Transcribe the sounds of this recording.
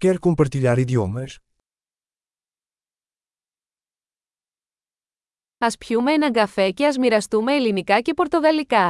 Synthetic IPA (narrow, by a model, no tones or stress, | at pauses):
kɛɾkompɐɾt̪iʎaɾiðiomɐs | ɐspçume̞enɐŋɡɐfe̞ce̞ɐzmiɾɐst̪ume̞ːlinikɐce̞po̞ɾt̪o̞ðɐlikɐ